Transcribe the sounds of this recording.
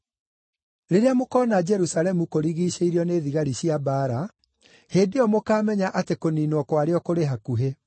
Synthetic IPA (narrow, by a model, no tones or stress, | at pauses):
ɾeɾeamokɔːnad͡ʒɛɾusalɛmukoɾiɣiɕeiɾeɔneːðiɣaɾiɕjabaːɾa | heːdeɔmokaːmɛɲaʔatekoniːnwɔkwaɾeɔkoɾeɦakuɦe